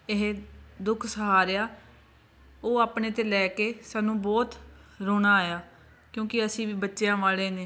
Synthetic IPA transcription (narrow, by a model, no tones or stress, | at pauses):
ɪɦed̪ʊkʰsəɦaːɾeːaː | oːaːpɳeːt̪eːlɛːkeːsaːnũːbɔːt̪ɾoːɽaːjaː | kjõːkɪəsĩːʋiːbətːʃejãːʋaːleːneː